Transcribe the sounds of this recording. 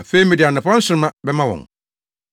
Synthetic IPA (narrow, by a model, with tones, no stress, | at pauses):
fe˦mĩ˨dɪ˨a˨nɪ̃˨pã˦n̩˦sʊ̃˦ɾmã˦bɛ˦mã˦wɔ̰̃˨ŋ